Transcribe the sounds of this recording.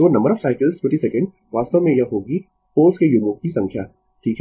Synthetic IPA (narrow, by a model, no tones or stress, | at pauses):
oːnɐ̃mbəɾɔːʋsaːɪkəlzʈʰwẽɳʈisɛkə̃ɳɖ̚ | ʋaːst̪əʋmẽjaɦoːɡi | poːskejumukkisɐ̃ŋkʰjaː | ʈʰiːkɦɛ